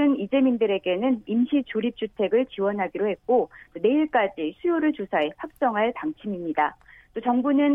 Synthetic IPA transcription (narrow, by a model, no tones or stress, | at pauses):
ɯnid͡ʑe̞mindɯɾe̞ɡe̞nɯnimɕʰit͡ɕoɾip̚t͡ɕ͈utʰe̞ɡɯɭt͡ɕiwʌnɦaɡiɾohe̞t̚k͈ot͈one̞iɭk͈ad͡ʑisʰujoɾɯɭt͡ɕosʰae̞ɸwak̚t͡ɕ͈ʌŋɦaɭtaŋt͡ɕʰimimɲidat͈ot͡ɕʌŋbunɯn